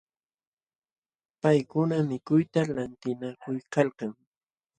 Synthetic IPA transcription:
pajkʊnamɪkʊjt̪alant̪ɪnakʊjkalkaŋ

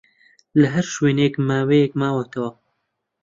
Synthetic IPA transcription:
lɐɦɐɾʃweːnekmaːwejekmaːwɐt̪ʰɐwɐ

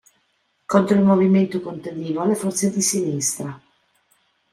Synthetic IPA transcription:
kont̪ɾoilmoviment̪okont̪ad̪iːvoalːefɔrt̪sed̪isinist̪ɾa

